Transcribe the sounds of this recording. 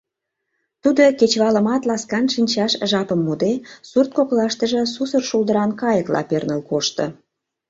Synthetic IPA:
t̪ud̪oket͡ɕβɑləmɑt̪lɑskɑnʃinʲt͡ɕɑʃʒɑpəmːud̪esurt̪̚koklɑʃt̪əʒəsusərʃulˠd̪əɾɑnkɑjəklɑ̰pernəlkoʃt̪ə̰̆

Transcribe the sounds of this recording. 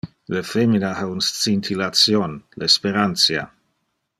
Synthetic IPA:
ləfeminahaunstt͡sint̪ʰilatsjonlespeɾant̪sja̰

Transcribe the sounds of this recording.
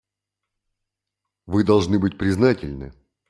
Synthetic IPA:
vɨd̪ɐlˠʐnɨbɨt̚ʲpɾʲɪznatʲɪlʲnɨ̰

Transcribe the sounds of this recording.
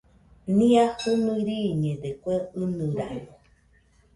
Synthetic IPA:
nĩahumiɾiɲẽd̪ekʷeɨnɨ̃ɾaɲo

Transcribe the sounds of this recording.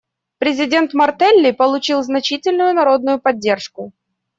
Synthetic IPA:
pɾʲɪzʲɪdʲe̞nt̪mɐrt̪ɛlʲːɪpəlˠʊt͡ɕilˠznɐt͡ɕitʲɪlʲnʊjʊnɐɾo̞d̪̚nʊjʊpɐdʲːe̞rʂkʊ

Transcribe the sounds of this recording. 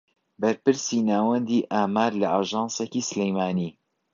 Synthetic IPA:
bɐɾpɨɾsiːnaːwɛnd̪iːʔaːmaːɾlɐʔaːʒɑːnsekisɨlejmaːniː

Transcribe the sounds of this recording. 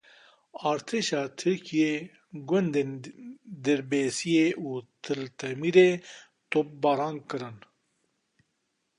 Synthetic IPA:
aːɾt̪ʰeʃɑːt̪ʰɨɾkʰije | ɡund̪eːnd̪ɛɾbeːsijeʔuːt̪ʰɨlt̪ʰɐmiɾeː | t̪op̚baːɾaːŋkɨɾɨn

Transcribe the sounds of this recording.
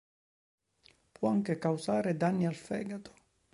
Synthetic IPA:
pwɔaŋkekawsaːɾed̪anːialfɛ̰ːɡat̪ʊ̥

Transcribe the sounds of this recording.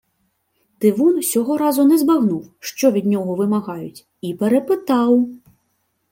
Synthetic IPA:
t̪ɪʋunsʲɔɦɔɾɑzʊnɛzbaɣnuwʂt͡ʃɔʋʲid̪ʲnʲɔɦɔʋɪmaɣɑjʊt͡sʲ | ipɛɾɛpɪt̪ɑw

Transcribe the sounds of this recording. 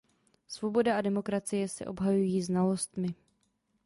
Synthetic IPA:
svo̞bo̞daadɛmo̞kɾat͡sɪjɛsɛ̰ʔo̞bɦajujiːznalo̞st̪mɪ

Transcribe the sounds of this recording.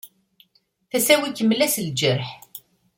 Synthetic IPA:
θæsæwikːəmːlæsld͡ʒəɾħ

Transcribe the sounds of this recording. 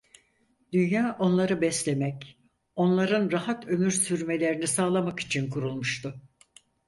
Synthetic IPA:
d̪̥ynjaːʔo̞nlˠaɾɯbɛslʲe̞mɛc | o̞nlˠaɾɯnɾahat̪ʰø̞myɾsyɾme̞lʲe̞ɾinisaːlˠamaki̥t͡ʃʰinkʰuɾulˠmuʃt̪ʰʊ

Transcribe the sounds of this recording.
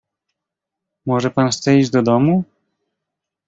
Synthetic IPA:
mɔʐɛpanxssɛiʑd͡ʑd̪ɔd̪ɔmu

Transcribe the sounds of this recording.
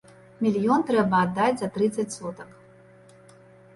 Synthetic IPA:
mʲilʲijont̪rɛbaːd̪ːatʲzat̪rɨt̪satʲsot̪əkʼ

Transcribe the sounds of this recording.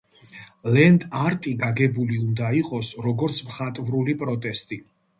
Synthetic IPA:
lɛnd̪ʼaɾt̪ʼiɡaɡɛbuliund̪aiqʼɔsɾɔɡɔɾt̪sʰmχat̪ʼvɾulipʼɾɔt̪ʼɛst̪ʼi

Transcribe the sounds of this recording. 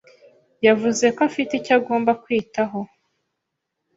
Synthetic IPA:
javuze̞koafiticaɡo̞ːmbakwiːtaɦo̞

